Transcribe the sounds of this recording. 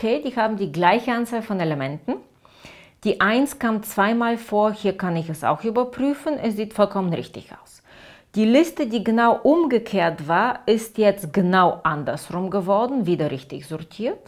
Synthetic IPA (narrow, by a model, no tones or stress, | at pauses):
kʰeːdiːhaːbm̩diːɡlaɪçəʔant͡saːlfɔnelemɛntn̩ | d̥iːʔaɪnskʰamt͡sv̥aɪmaːlfoːɐhiːɐkʰanɪçɛsa̰ʊxʔyːbɐpʁ̥yːfənɛsz̥iːtfɔlkʰɔmənʁɪçtɪ̰çʔa̰ʊs | d̥iːlɪstədiːɡənaʊʔʊmɡəkʰeːɐtv̥aːɐɪstjɛt͡stɡ̥ənaʊʔandɐsʁʊmɡəvɔɐdn̩viːdɐʁɪçtɪçz̥ɔɐtʰiːɐt